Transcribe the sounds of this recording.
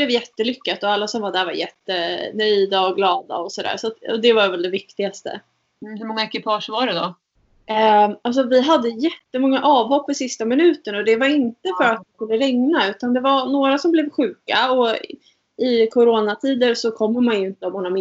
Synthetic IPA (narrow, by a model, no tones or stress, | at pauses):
lɛvjɛt̪ːəlʏkːat̪ɔalːasɔmvad̪æɾva̰ɾjɛt̪ːənœjd̪aɔɡlɑːd̪a̰ɔsɔd̪æ̰ːɾsat̪ɔ̰d̪ɛvaɾvɛld̪ɛvɪkt̪ɪɡast̪ə̰ | hɵmɔŋːaɛkɪpʰɑːʂvaɖɛd̪ɔ | als̬ɔvɪɦad̪ːəjɛt̪ːəmɔŋːaʔɑːvhɔpːɪsɪst̪amɪnʉ̟ːt̪ənɔd̪ɛvaɾɪnt̪əfœɾat̪vɪskɵlːəɾɛŋnaʉ̟ːt̪and̪ɛvaɾnoːɾasɔmblɛvɧʉ̟ːkaɔ | ɪkʰʊɾoːnat̪ʰiːd̪əɾsɔkʰɔmːəmanjɵɪnt̪əɔmhʊnamɪ